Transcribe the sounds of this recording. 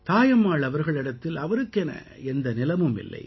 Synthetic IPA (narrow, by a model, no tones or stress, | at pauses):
t̪aːjɐmːaːɭɐʋɐɾɣɐɭɪɽɐt̪ːɪlɐʋɐɾɯkːɛnɐ̰ | ɛnd̪ɐnɪlɐmɯmɪ̰lːɐ̰ɪ